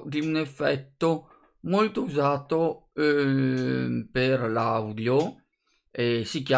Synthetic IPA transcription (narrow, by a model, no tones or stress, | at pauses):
d̪iunefːɛt̪ːo | molt̪ouzaːt̪o | perlawd̪jo | esikja